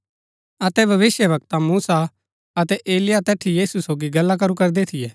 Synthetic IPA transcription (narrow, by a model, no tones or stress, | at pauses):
ɐt̪ɛbʱɐʋɪsjəbɐk̚t̪amuːsa | ɐt̪ɛʔeːlɪjat̪ɛːʈʰijiːsusoːɡiɡɐlːak̬ɐɾukɐɾd̪et̪ʰɪjɛː